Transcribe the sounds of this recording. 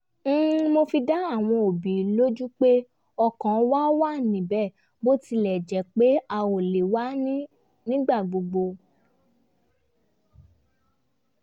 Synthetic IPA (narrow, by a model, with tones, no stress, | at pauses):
n̩˦mo˧fi˧da˦a˦˨w̃ɔ̃˧o˨bi˨lo˦d͡ʒu˦k͡pe˦ | ɔ˧kã˨˦wa˦wa˦˨nĩ˨bɛ˦˨ | bo˦ti˧lɛ˨d͡ʒɛ˨˦k͡pe˦a˧o˨le˨wa˦nĩ˦ | nĩ˦ɡ͡ba˦˨ɡ͡bo˧ɡ͡bo˧